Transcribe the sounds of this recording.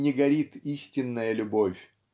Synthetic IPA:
nʲɪɡɐɾʲit̪isʲtʲɪnːəjəlʲʊbofʲ

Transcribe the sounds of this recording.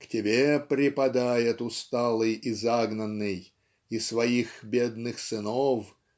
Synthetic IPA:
ktʲɪbʲepɾʲɪpɐd̪ajɪt̪ʊst̪alˠɨjizaɡnənːɨj | ɪsvɐixbʲed̪̚nɨxsɨnof

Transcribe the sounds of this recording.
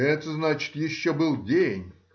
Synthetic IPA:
ɛt̪əznat͡ɕɪ̥t̪jɪɕːobɨlˠdʲenʲ

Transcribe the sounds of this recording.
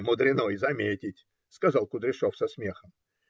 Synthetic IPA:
mʊd̪ɾʲɪnojzɐmʲetʲɪtʲ | skɐzɑlˠkʊd̪ɾʲɪʂofsɐsmʲe̞xəm

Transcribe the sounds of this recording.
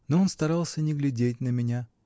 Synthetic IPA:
noonst̪ɐɾɑlˠsʲənʲɪɡlʲɪdʲet̚ʲnəmʲɪnʲa

